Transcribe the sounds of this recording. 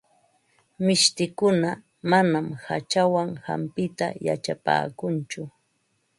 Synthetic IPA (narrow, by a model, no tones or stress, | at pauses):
mɪʃt̪ɪkʊna | manamha̰t͡ʃawaŋha̰mpɪt̪a̰ja̰t͡ʃapa̰ːkʊnt͡ʃʊ